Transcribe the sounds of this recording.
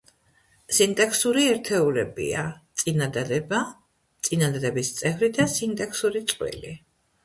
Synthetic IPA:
sint̪ʼɛksuɾiɛɾt̪ʰɛulɛbḭat̪sʼinad̪ad̪ɛba | t̪sʼinad̪ad̪ɛbist̪sʼɛvɾid̪asint̪ʼɛksuɾit̪sʼqʼwḭli

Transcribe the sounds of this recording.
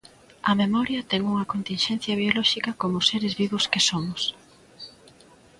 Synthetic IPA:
ɐmemɔɾjɐt̪ɛŋuŋɐkont̪inʃɛn̟θjɐβ̞jolɔʃikɐkomʊseɾezβiβʊskɪsomʊs

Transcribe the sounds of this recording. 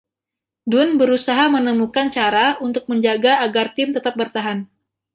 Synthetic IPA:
dʊnbəɾusaɦamənəmukant͡ʃaɾaunt̪ʊk̚məɲd͡ʒaɡaːɡart̪ɪmt̪ət̪ap̚bərt̪aɦan

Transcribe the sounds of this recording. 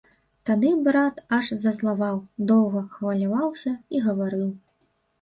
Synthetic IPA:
t̪ad̪ɨbɾat̪ɐʂzɐzlˠavawd̪ɔwɣɐxvɐlʲavawsʲɐiɣɐvaɾɨw

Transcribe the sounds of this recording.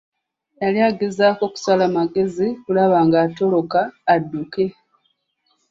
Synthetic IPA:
jaljaːɡe̞zaːko̞ku̥salamaɡe̞zikulaβaːŋɡaːto̞lo̞kaːdːuke̞

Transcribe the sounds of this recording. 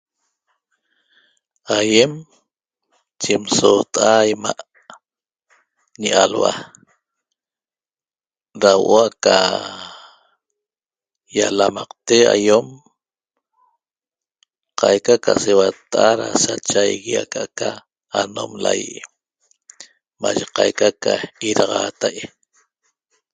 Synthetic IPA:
ajem | t͡ʃemsoːt̪ʼʔajmaʔ | ɲiʔalwa̰ | ɾawʔoaka | jalamɑqt̪ea̰jom | qɑjkakasewat̪ʔaɾasat͡ʃajɣiakaakaː | nomla̰jʔ | maʒeqɑjkakaiɾɑʁɑːt̪aj

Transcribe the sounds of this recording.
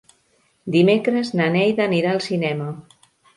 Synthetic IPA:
d̪imekɾəznanɛjðəniɾaəlˠsinɛmə

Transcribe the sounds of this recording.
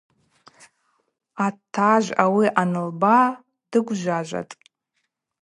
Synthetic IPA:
atʰːaʒʷawiʔanɨlba | dɨɡʷʒʷaʒʷa̰tʼ

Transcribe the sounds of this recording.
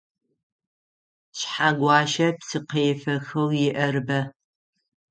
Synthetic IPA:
ɕħaɡʷɑːʃɐpsɨqeːfɐxɐwjɪʔɐrɨbɐ

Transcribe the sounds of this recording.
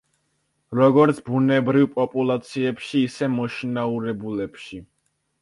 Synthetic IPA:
ɾɔɡɔɾt̪sʰbunɛbɾivpʼɔpʼulˠat̪sʰiɛpʃiːsɛmɔʃinauɾɛbulɛpʃi

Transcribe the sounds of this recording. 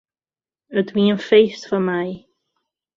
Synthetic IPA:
əd̪wiːənfejsfamaj

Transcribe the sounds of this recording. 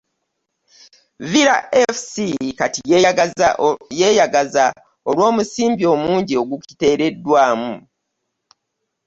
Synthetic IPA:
viɾaʔefsikati | jeːjaɡaza | o̞lwo̞ːmusiːmbio̞ːmuːɲɟio̞ɡuki̥te̞ːɾe̞dːwaːmu

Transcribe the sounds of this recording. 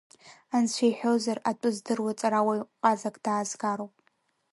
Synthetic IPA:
ansʷʰejħʷᶣowzaratʷʼʊzdɨrwat͡sʼaɾawajʼqʼazakʼd̥aːzɡaːɾowpʼ

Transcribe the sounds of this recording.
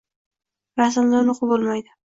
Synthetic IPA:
ɾasɪmd̪anʊqbolˠmajd̪ɪ

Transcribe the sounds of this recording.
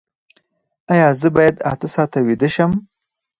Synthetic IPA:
ajɑzəbɑjad̪a̰t̪asɑt̪awid̪əʃəm

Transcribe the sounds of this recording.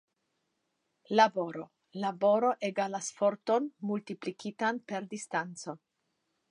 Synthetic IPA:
labo̞ɾo̞ | labo̞ɾo̞ʔeɡalasfo̞ɾt̪o̞nmultiplikpʰit̪anpe̞ɾd̪ist̪ant͡so̞

